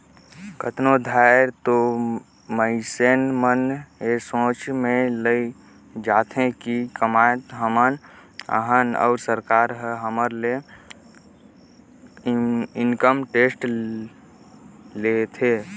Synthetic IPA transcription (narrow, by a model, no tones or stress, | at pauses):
kət̪nod̪ʱaɪɾt̪o | məɪsenmənesõːt͡ʃmẽləi | d͡ʒaːt̪ʰẽkikəmajt̪ɦəmənə̰ɦənɔ̰ːɾsəɾkaːɾɦəɦəməɾle | ɪnkəmʈeːsʈ | let̪ʰe